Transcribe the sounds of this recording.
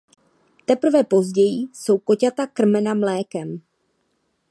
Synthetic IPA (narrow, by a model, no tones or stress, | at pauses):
t̪ɛpr̩vɛpo̞zɟɛjiso̞wko̞cat̪akr̩mɛnamlɛːkɛm